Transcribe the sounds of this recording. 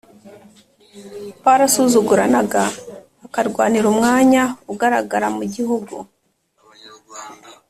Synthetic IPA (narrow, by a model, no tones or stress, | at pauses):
paɾasuzuɡuɾanaɡaː | kaɾɡwaːniɾumŋaːɲauɡaɾaɡaɾamuɟiɦuɡu